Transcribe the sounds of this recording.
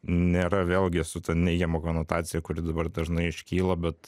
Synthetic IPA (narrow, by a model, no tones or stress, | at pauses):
nʲeːɾɐʋʲeːlˠʲɡʲɪsʊt̪ʲɐnnʲɛɪɡʲɛmɐkoːnoːt̪ɑːt͡s̪ʲɪjɛkʊɾʲɪd̪ɐbɐrd̪ɐʒnɐɪɪʃʲkʲiːlˠɐbʲɛt̪